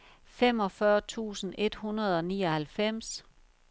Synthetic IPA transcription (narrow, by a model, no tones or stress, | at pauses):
fem̰ɒ̽fɶɐt͡sʰṵːsn̩e̝d̥hunɐð̞ˠɒ̽nḭːɒ̽hælfem̰s